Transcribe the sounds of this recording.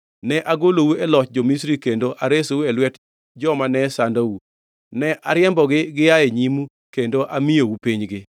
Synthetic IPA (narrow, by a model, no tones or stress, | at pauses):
nɛʔaɡolowuɛlɔt͡ʃ̚d͡ʒomisɾikendoʔaɾesowuɛlwɛt | d͡ʒɔmanɛsandawu | nɛʔaɾɪɛmbɔɡɪɡɪjaeɲimu | kendoʔamɪjowupiɲɡɪ